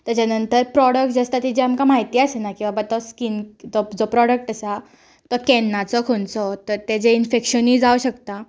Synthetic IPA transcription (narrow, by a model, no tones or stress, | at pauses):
t̪əd͡ʑjanənt̪əɾpɾɔɽək̚ʈd͡zəst̪at̪id͡ʑeamkamaɦit̪iːasenakĩw̃ʋabat̪ɔskind͡zɔd͡zɔpɾɔɽək̚ʈəsa | t̪ɔkɛnːat͡sɔkʰoɳt͡sɔt̪əɾt̪ed͡zeinfekɕəniːd͡zawɕəkt̪a